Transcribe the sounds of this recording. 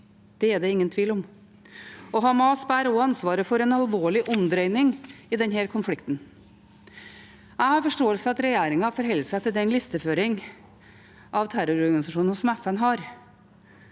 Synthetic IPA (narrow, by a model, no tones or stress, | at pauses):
d̪̥ɛɛɖ̪ɛɪŋːənt̪ʰʋiːlɔm | ɔɦɑːmɑːsbæːɾɔɑnsʋɑːɾəfɔɾɛnɑlʋoːɭɪʔɔmd̪ɾœʏnɪŋɪd̪ɛnɦæːɾkʰʊnflɪkt̪n̩ | æɪhɑɾfɔʂʈoːəlsəfɔɾɑt̪ɾɛjeːɾɪŋɑfɔɾɦɛlːəsɛɪt̪ʰɪld̪ɛnlɪst̪əføːɾɪŋ | ʔɑʋt̪ʰæɾʊɾɔɾɡɑnɪsɑʂuːnən̩sɔmɛfɛnɦɑɾ